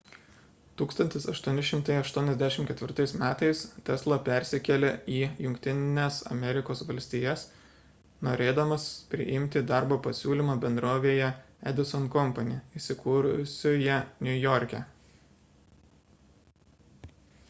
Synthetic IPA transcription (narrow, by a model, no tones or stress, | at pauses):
t̪uːkst̪ɐnʲt̪ʲɪsɐʃt̪uɔnʲɪʃʲɪmt̪ɐɪɐʃt̪uɔnʲɛzʲd̪ʲæʃʲɪmtkʲɛt̪ʲʋʲɪɾt̪ɐɪsmʲæːt̪ɐɪst̪ʲɛslˠopʲæˑɾʲsʲɪkʲɛlʲeiːjʊŋʲkt̪ʲɪnnʲɛsɐ̰mʲɛɾʲɪkoːsʋɐlʲsʲt̪ʲiːjɛs | noːɾʲeːd̪ɐmɐspʲɾʲɪ̰ʔɪmʲt̪ʲɪd̪ɑˑɾboːpɐsʲuːlʲimɑːbʲɛnd̪ɾoːʋʲeːjɛ | ɛ̰d̪ʲɪsɔnkɔmpɐnʲeisʲɪkuːɾʊsʲʊjɛnʲʊjɔːɾʲkʲɛ